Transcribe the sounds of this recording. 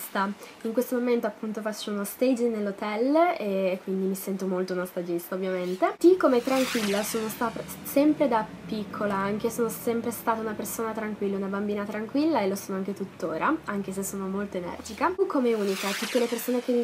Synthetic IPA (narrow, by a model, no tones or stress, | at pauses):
st̪aiŋkwest̪omoment̪oapːunt̪ofat͡ʃːounost̪ejd͡ʒnelːot̪ɛleːkːwind̪imisɛnt̪omolt̪ounost̪ad͡ʒist̪aovːjament̪et̪ikːomet̪ɾaŋkwilːasoːnost̪a | sɛmpɾed̪apikʰːolaaŋk̟esoːnosɛmpɾest̪aːt̪aunapersoːnat̪ɾaŋkwilːaunabambiːnat̪ɾaŋkwilːaelːosoːnoaŋket̪ut̪ːoːɾʔaaŋk̟esesːoːnomolt̪oenɛ̰rd͡ʒikaukʰːomeuːnikat̪ut̪ːelepersoːnek̟e